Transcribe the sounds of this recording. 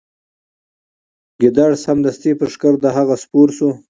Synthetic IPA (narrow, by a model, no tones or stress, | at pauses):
ɡɪd̪aɽshamd̪ast̪ipəʂkəɾd̪əɦaɣaspuɾsu